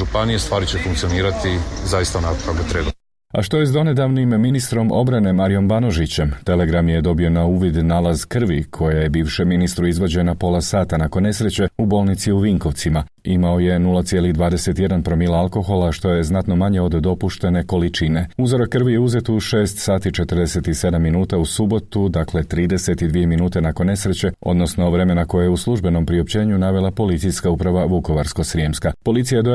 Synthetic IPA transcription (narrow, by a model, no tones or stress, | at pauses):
ʒupanijest̪ʋaːɾit͡ɕefuŋkt̪sijoniːɾat̪izajist̪anaokaɡot̪ɾeːba | a̰ʃt̪o̞je̞zd̪o̞ne̞d̪aʋnimːinist̪ɾo̞mo̞bɾane̞maɾijo̞mbano̞ʒit͡ɕe̞mt̪e̞le̞ɡɾamje̞d̪o̞bio̞nauːʋid̪naːlˠazkr̩ʋikʰo̞jejebiːʋʃeminist̪ɾuizʋo̞d͡ʑe̞napo̞lasaːt̪anako̞nːe̞sɾe̞t͡ɕe̞ubo̞lˠnit̪siuʋiŋko̞ʋt̪sima | imao̞je̞nulˠat̪sje̞ːlid̪ʋaːd̪e̞se̞t̪je̞d̪anpɾo̞milˠaalˠko̞xo̞lˠaʃt̪o̞je̞znat̪no̞maɲe̞o̞d̪ːo̞puʃt̪e̞ne̞ko̞lit͡ʃine̞uzoɾokːr̩ʋijeuze̞t̪uʃe̞ːst̪saːt̪it͡ʃe̞t̪ərɾd̪ese̞t̪ise̞d̪amːinuːt̪ausubo̞t̪ud̪akle̞t̪ɾiːd̪e̞se̞t̪id̪ʋije̞minuːt̪e̞nakonːe̞sɾe̞t͡ɕe̞o̞̰d̪no̞sno̞ʋɾe̞me̞nako̞jejeuslˠuʒbe̞no̞mpɾio̞pt͡ɕe̞ːɲunaʋe̞lˠapo̞lit̪sijskaupɾaʋaʋuko̞ʋaɾskosɾiemskapo̞lit̪sijajeo